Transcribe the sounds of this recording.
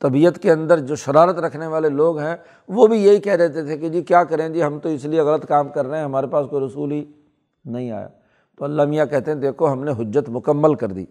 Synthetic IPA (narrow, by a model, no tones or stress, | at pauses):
t̪ɐbiːət̪keɐ̃nd̪əɾd͡ʒoːʃɐɾaːɾət̪ɾɐkʰneʋaːleloːɡɦɛ̃ | ʋobʱijɐɦikɛɦd̪eːt̪et̪ʰekid͡ʒiːkjaːkɐɾẽd͡ʒiːɦɐmt̪oɪslieɣɐlət̪kaːmkɐɾːɐɦɛ̃ɦɐmaːɾepaːskoiɾɐsuːlɦi | nɐɦĩa̰ːja̰ː | t̪oːɐlːaːmijakɛɦt̪eɦɛ̃d̪eːkʰoɦɐmneɦʊd͡ʒːət̪mʊkəmːəlkɐɾd̪ḭː